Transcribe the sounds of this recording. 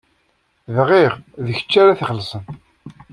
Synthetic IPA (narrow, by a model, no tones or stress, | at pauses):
ðʁiʁðəçə̥t͡ʃːaɾaθχəlsən